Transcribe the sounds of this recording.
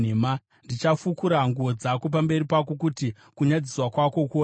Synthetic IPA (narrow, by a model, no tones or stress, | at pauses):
ema | ndit͡ʃafukuɾaŋɡuod͡zakop̬ambe̞ɾipak̬o̞k̬uti | kuɲad͡ziswakwako̞kuo